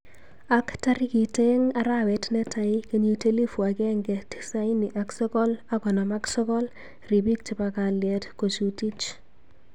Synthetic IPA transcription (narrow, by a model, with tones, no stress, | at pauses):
aktaɾi˦ki˨teŋa˦ɾawɛtnɛ˦taikeɲi˦teli˦fu˨a˨kɛ˦ŋɡɛti̥sa˦jni˨ʔaksɔ˦kɔ˦lakɔ˨nɔma˦ksɔ˦kɔ˦l | ri˨bi˦k̚ti˨baka˨ljɛtko˨t͡ʃuti˦t͡ʃ